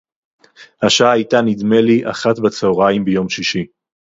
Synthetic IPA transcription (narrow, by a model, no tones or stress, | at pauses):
haʃaaajtanidme̞liʔa̰χatbat͡seoʁajimbejo̞mʃiʃi